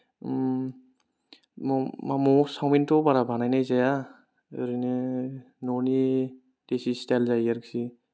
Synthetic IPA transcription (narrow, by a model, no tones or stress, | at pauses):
mɔmamɔsawmintɔbaɾabʱanajnajzaja | ɯ̰ɾɯnɯ | nɔni | d̥esistalzajaɾksi